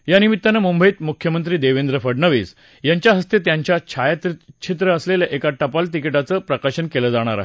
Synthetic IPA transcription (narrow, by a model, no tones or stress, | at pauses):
janimit̪ːanemumbʱəit̪mukʰjəmənt̪ɾiːd̪eʋend̪ɾəfəɽɳəʋḭːd͡z | jaɲt͡ɕjaɦəst̪et̪jaɲt͡ɕjat͡ɕʰajat̪it͡ɕʰit̪̬ɾəːsleljaʔekaʈəpalt̪ikiʈat͡səːpɾəkaɕənkeləd͡zaɽ̃aɾa̰ɦe